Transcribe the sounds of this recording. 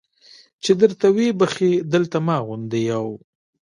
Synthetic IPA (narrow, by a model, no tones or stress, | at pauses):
t͡ʃed̪əɾt̪awebəxed̪əlt̪amɑɣʊnd̪ejaw